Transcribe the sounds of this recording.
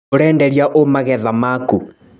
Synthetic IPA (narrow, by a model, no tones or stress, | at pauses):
oɾɛːndɛɾjaʔomaɣɛðamaku